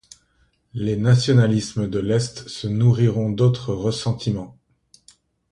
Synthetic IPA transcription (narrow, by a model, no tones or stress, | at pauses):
lenasjɔnalisməd̪əlɛst̪sənuʁiʁɔ̃d̪ot̪χəʁəsɑ̃t̪ʰimɑ̃